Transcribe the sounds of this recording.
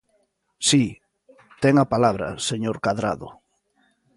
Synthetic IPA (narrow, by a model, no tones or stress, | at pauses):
si | t̪ɛŋapalaβɾɐ̰seɲoɾkaðɾaðʊ̰